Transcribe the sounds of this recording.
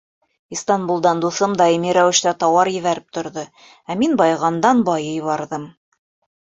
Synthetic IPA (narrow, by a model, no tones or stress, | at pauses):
ist̪ɑnbulˠd̪ɑnd̪uθɤmd̪ɑimiɾæwɘ̆ʃt̪æt̪ɑwɑɾjɘ̆βæɾɘp̚t̪ŏɾðɤ | æminbɑjʁɑnd̪ɑnbɑjɤjβɑɾðɤm